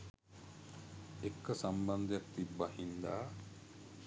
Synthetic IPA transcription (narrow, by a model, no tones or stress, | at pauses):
ekːəsamband̪ejak̚t̪ibːahind̪a̰ː